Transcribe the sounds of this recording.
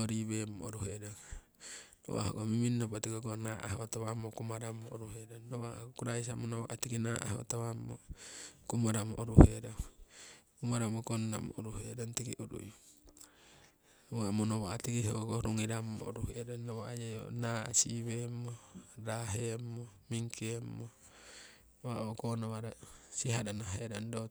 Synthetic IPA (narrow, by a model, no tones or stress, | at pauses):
oɾiβemooɾuɦedoŋ | no̰wa̰ho̰ɡomiminːobat̪ikoɡonaʔa̰ɦot̪awamokumaɾamoːɾuɦedonːowakuɾais̬amonowa̰ʔat̪ikinaʔa̰ɦo̰t̪awamo̰kumaɾamoʔoɾuhedo | kumaɾamokonːa̰mo̰ʔoɾuɦedont̪ikiʔuɾṵjo | nowamonowaat̪ikiɦokoɾuŋiɾamːoːɾuhedanːawaajajo̰naa̰siβemoɾaɦemːomiŋkiemːo | waʔokonawaɾasiɦadanaɦedando